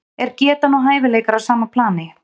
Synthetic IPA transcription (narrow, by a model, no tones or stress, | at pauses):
ɛɾcɛːt̪anɔɦaːjvɪleːjkaɾawsaːmapʰlaːnɪ